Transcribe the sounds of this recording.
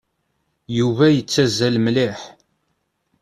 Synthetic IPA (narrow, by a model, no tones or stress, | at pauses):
juvæjət͡sːæzːælmlɪħ